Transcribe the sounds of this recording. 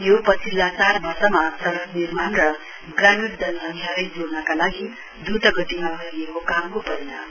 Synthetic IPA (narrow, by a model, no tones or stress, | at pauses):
jopʌt͡sʰilːat͡sarbʌrsʌmasʌɾʌknirmanrʌ | ɡramiɾd̪ʌlmaɦɦaɾʌjd͡zoɽnʌkalaɡi | d̪ut̪ʌɡʌt̪imabʱʌiekokamkopʌɾenʌ